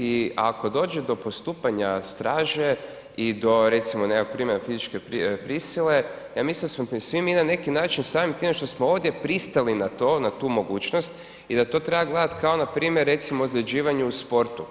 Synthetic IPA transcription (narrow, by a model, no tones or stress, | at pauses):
ia̰ko̞d̪o̞ːd͡ʒe̞d̪o̞po̞st̪uːpaɲast̪ɾaːʒe | id̪o̞ɾet̪simonekokpɾiːmenafizit͡ʃkepɾipɾisile̞ | jaːmislind̪asmosʋiminane̞kinaːt͡ʃinsaːmimt̪iːmeʃt̪o̞smooːʋd̪je̞pɾist̪alinat̪oːnat̪uːmo̞ɡuːt͡ʃnost̪ | id̪at̪o̞ːt̪ɾebaɡled̪at̪kao̞napɾiːmjeɾːe̞t̪simoːzɾed͡ʑiːʋaɲuuspo̞ɾt̪u